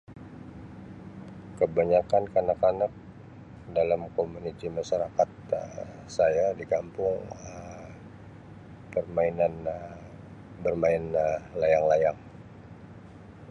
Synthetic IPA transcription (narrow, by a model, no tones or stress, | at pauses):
kəbaɲakankanakanak̚ | dalamkomunit̪imaʃaɾakat̪̚ | sajadikampʊŋəm | pərmainan | bərmaɪnlajaŋlajaŋ